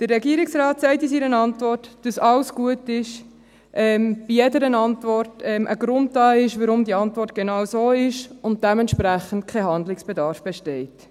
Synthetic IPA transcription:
d̥əɾːɛɡiəɾɪksɾɑːtsɛɪtisiːɾənɑntvɔrtd̥ɑsɑwsɡ̥uətɪʃ | ʔɛmb̥ijɛdəɾənɑntʋɔrtɛmʔə̰ɡɾʊnd̚dɑːɪʃʋəɾʊmdiɑntvɔrtɡ̥enɑwsoːɪʃʊnt̚d̥ɛmɛntʃpɾæχəntkʰɛɦɑndlɪksb̥edɑːɾfb̥ɛʃtɛɪt

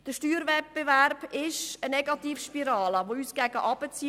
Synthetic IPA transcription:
d̥əʃtyːɾvɛt̚b̥eværb̥ɪʃənɛɡɑt̪iːfʃpiɾɑːləʋoyːsɡ̥æɡ̥əʔɑb̥ət͡si

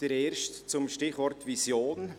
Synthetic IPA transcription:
d̥ɛɾɛːɾʃtt͡sʊmʃtɪχvɔɾtvisjoːn

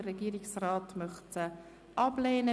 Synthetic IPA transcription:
ərːɛɡiːɾɪksraːtmœχtə | ʔɑbleːnə

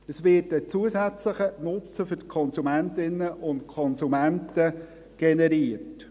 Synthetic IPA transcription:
əsʋɪːtət͡suəsæt͡sləχənʊt͡səfʏtkʰɔnsumæntɪnːəʔʊntkʰɔnsumæntə | ɡ̥ɛnɛɾiət

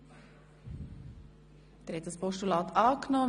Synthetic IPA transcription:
d̪̥ɛɾhɛt̚dɑspɔʃtulɑːt̪ɑːknɔ

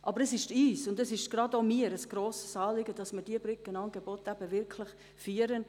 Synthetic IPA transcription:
ʔɑbəɾəsɪʃtiːsʊndəsɪʃɡ̥rɑdomiːəɾəsɡ̥ɾoːsə̥sɑːlɪɡəd̥ɑsmɪɾd̥iəbɾʏkːənɑŋɡebotæb̥əʋɪɾkʰlɪχ | fyːəɾən

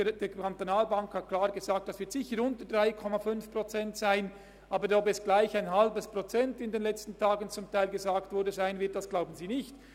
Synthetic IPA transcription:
d̥eːkʰantonaːlbaŋkhat̚kʰlaːɐʁɡ̥ezaːk̚t̚d̥asv̥ɪɐtz̥ɪçəɾʊntəd̥ʁaɪkʰɔmafʏnfpʁot͡sɛntsaɪn | ʔaːbədɔpɛsɡ̥laɪçaɪnɦalbəspʁot͡sɛntɪndeːnlɛt͡stn̩tʰaːɡən̩t͡sʊmtʰaɪlɡezaːktvʊɾdəzaɪnvɪɐt̚d̥asɡ̥laʊbn̩ziːnɪçt

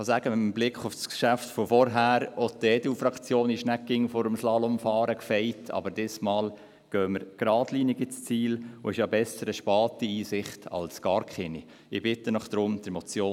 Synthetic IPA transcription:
ɑsæɡ̥əɪmblɪkχʊfskʃæftfɔfɔɾɦæːɾɔt̪ɛːduːfɾɑkt͡sjoːnɪʃnækːɪŋfɔɾəmslɑːlɔmfɑːɾəkfɛjtʰɑ̰bəɾd̥ɪsmɑːl | ɡ̥œːməɾɡ̥ɾɑːdliːniɡit͡st͡siːlʊɪʃjɑbɛsəɾəʃpɑːtiiːsɪχtʰɑ̰lsɡ̥ɑɾkχɪni | ɪbɪt̪ːənɔχd̥̪ɾʊmd̥̪ɾɛmɔt͡sjoː

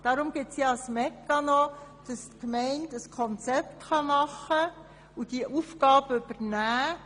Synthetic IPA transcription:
d̥ɑɾʊmɡɪtsjɑɑsmɛkːɑnɔd̥ɑstkmɛɪndəskʰɔnt͡sɛptχɑmɑχə | ud̥iʔufɡɑːbəʏb̥əɾnæː

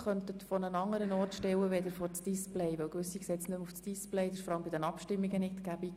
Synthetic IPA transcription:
χœnt̪ət̪fɔnənɑŋːəɾənɔrtʃtɛwəʋɛd̪əɾfɔɾt͡sd̥ɪsplɛɪʋɛwkʋɵsiksɛt͡snømufsd̥isplɛɪd̪ɪʃfɔɾɑləmbɪdɛnɑpʃtɪmːiɡənɪt̪ɡ̥æbi

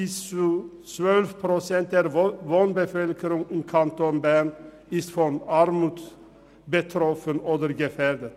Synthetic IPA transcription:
is | sʋœlʋpʰɾʊsɛnt̪æɾʋɔnbəfœlkəɾʊŋiːkʰɑnt̪ɔnbæɳ | ɪst̪fɔnɑɾmuːd̪ | bət̪ʰɾɔfənoːd̪əɾɡəfæːɾd̪ət̪

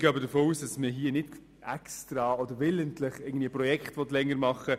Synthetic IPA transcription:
ɡ̥ɑbədəfoːuːsd̥ɑsməɦiːənɪt | ɛkstɾɑɔd̪əɾʋɪləntlɪχɪɡŋ̩n̩dviəprɔjɛkχtʋɔtlɛŋːəɾmɑχə

